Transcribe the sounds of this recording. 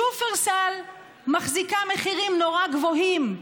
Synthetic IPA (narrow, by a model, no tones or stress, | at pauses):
ufeʁsal | maχzikameχiʁimnoʁaɡvoɦim